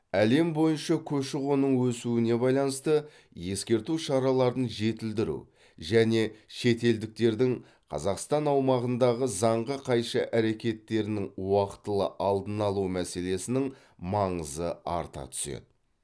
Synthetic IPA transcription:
æle̞mbo̞jənʃɑkʲʰɵʃɪʁo̞nəɴwɵsuɪne̞bɑjlˠɑnəst̪ə | je̞skʲe̞ɾt̪uʃɑɾɑlˠɑɾd̪ənʒe̞t̪ɪld̪ɪɾṵ | ʒæne̞ʃe̞t̪e̞ld̪ɪk̚t̪e̞ɾd̪ɪŋ | qʰɑ̰zɑqst̪ɑnɑwmɑʁənd̪ɑʁəzɑɴʁəqʰɑjʃɑʔæɾe̞kʲe̞t̪ːe̞ɾɪnɪŋwɑqə̥t̪ːəlˠə̰ʔɑlˠd̪ənɑlˠumæse̞le̞sɪnɪŋ | mɑɴəzəɑ̰ɾt̪ɑ̰t̪ʰʏ̥sḛd̪ɪ

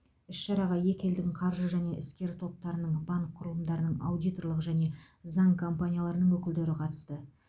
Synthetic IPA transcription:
ʏsʃɑɾɑʁɑje̞kʲe̞ld̪ɪŋqʰɑɾʒəʒæne̞ʔɪskʲe̞ɾt̪ʰo̞p̚t̪ɑɾənəɴbaŋkʰːʊɾlˠəmd̪ɑɾənəɴɑ̰wd̪ijt̪o̞rlˠəqʒæne̞ | zɑŋkʰompanʲijalˠɑɾənəɴwɵkʲɪld̪e̞ɾɪqʰɑt̪ə̥st̪ə

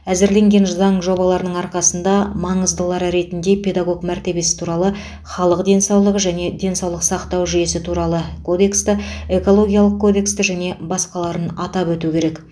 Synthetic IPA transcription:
æzɪɾle̞ŋɡʲe̞nzɑɴʒo̞bɑlˠɑɾənəɴɑɾqɑsənd̪ɑmɑɴəzd̪əlˠɑɾəɾe̞t̪ɪnd̪e̞pʲʰe̞d̪aɡo̞kmæɾt̪e̞be̞sɪ̥t̪ʰuɾɑlˠə | χɑlˠəqd̪e̞nsɑwlˠəʁəʒæne̞d̪e̞nsɑwlˠəqsɑqt̪ɑwʒije̞sɪt̪ʰuɾɑlˠəkʰo̞d̪e̞kst̪ɪe̞ko̞lˠo̞ɡʲijɑlˠəq̚kʰːo̞d̪e̞kst̪ɪʒæne̞bɑsqɑlˠɑɾənɑt̪ɑpwɵt̪ukʲe̞ɾe̞k

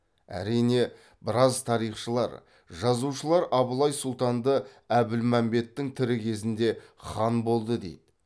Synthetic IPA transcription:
æ̰ɾijne̞ | bɪɾɑzt̪ʰɑɾijχʃəlˠɑ̰ɾ | ʒɑzuʃəlˠɑɾʔɑbəlˠɑjsʊlˠt̪ɑnd̪ə | æbɪlmæmbe̞t̪ːɪŋt̪ʰɪɾɪkʲʰe̞zɪnd̪e̞χɑnbo̞lˠd̪əd̪ejd̪̥ɪ

